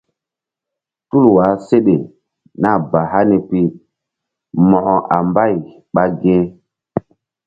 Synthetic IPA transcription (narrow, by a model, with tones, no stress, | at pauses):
tu˦lwa˨˦se˦ɗe˨ | na˦˨ba˨ɦa˦ne˨pi˦ | mɔ˨hɔ˨ʔa˨mba˦˨j | ɓa˦ɡe˦